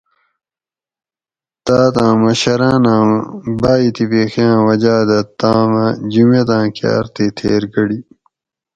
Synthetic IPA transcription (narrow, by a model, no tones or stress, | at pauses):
t̪aːt̪ãːmɐɕɐɾãːnãːbaːit̪ipeːxijãːwɐd͡ʑaːd̪ɐt̪ãːmɐd͡ʑimet̪ãːkja̰ːɾt̪et̪ʰḛːɾɡɐɽi